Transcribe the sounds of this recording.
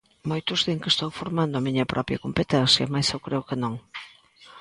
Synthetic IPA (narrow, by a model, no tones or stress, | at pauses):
mojt̪ʊzðeŋkest̪owfoɾmand̪ʊɐmiɲɐpɾʔɔpɾjɐkompet̪ɛnsjɐmajsewkɾʔeʊkɪnõŋ